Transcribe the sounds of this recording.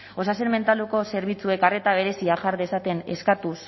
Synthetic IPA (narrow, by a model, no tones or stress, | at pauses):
o̞sasenme̞nt̪aluko̞se̞ɾβit͡sue̞kare̞t̪aβ̞e̞ɾe̞siaʝaɾðesat̪e̞ne̞̰skat̪us